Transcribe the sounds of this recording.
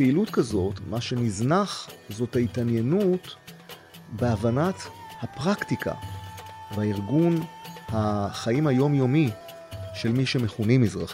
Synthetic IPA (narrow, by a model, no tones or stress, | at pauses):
peilutkazo̞tmaʃe̞niznaχzo̞thaitanjenut | beavanathapʁaktika̰ | vaiʁɡunhaχaimhajo̞mjo̞mi | ʃe̞lmiʃe̞me̞χunimizʁaχi